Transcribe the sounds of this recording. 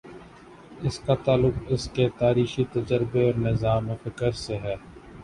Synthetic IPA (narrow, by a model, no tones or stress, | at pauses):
ɪskat̪aːlʊqɪsket̪aːɾiːxit̪əd͡ʒəɾbeɔːɾnɪzaːmfɪkəɾseɦɛː